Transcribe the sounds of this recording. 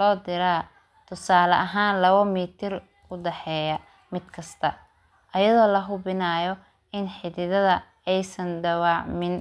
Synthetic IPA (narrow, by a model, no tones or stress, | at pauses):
lɔːd̪ɪɾaː | t̪ʰʊsaːlɐ̰ʔɐɦaːnlɐβɐmiːt̪ʰɪr | ʊɖ̪ɛħɛːjɐ | mɪd̪̥kʰɐst̪ʰɐ | ʔɐjɐðɔːlɐɦʊbɪnaːjɔ | ɪnħɪðɪðɐðɐ | ɛjsɐnɖ̪ɐwaːʕmɪn